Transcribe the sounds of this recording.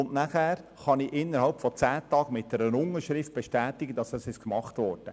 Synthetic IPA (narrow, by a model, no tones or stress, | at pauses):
ʊnnæχæːɾ | χɑniʔɪnːəɾhɑlpfɔt͡sæːt̪ɑːɡ̥mɪt̚d̥ɛɾənʊŋəɾʃɾɪft̚b̥ɛʃtæːtɪɡəd̥ɑsɑsɪʃkmɑχt̪ʋɔːɾd̥ə